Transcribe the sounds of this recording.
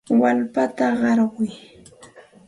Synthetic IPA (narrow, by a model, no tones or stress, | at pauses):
walpat̪aɢɑɾɢʊj